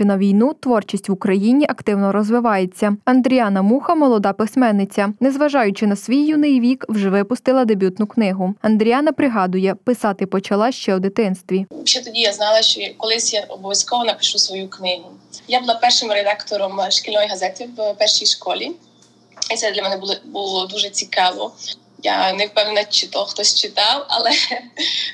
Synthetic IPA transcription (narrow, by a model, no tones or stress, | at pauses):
nɐʋʲijnut̪ʋɔrt͡ʃisʲtʲʋʊkɾɐjinʲiʔɐkt̪ɪwnɔɾɔzʋɪʋɑjet͡sʲːɐɐnd̪ɾʲiɑnɐmuxɐmɔlˠɔd̪ɑpɪsmɛnːɪt͡sʲɐnɛzʋɐʒɑjʊt͡ʃɪnɐsʋʲijːunɪjʋʲikwʒɛʋɪpʊst̪ɪlˠɐd̪ebʲut̪nʊknɪɦʊɐnd̪ɾʲijɑnɐpɾɪɦɑd̪ʊjɛpɪsɑt̪ɪpɔt͡ʃɐlˠɑʃt͡ʃɛwd̪ɪt̪ɪnst̪ʋʲiʃt͡ʃːɛt̪ɔdʲijaznɑlˠɐʃt͡ʃɔkɔlˠɪsʲjaɔbɔʋʲjɐskɔʋɔnɐpɪ̥ʃusʋɔjuknɪɦʊjabʊlˠapɛrʃɪmɾed̪ɑkt̪ɔɾɔmʃkʲɪlʲnɔjɦɐzɛt̪iwpɛrʃijʃkɔlʲi | it̪ɛd̪lʲɐmɛnɛblˠɔbulˠɔd̪uʒɛt͡sʲikɑʋɔ | ja̰nɛwpɛwnʲnɐt͡ʃɪt̪ɔxt̪ɔsʲt͡ʃɪt̪ɑwɐ̰lˠɛ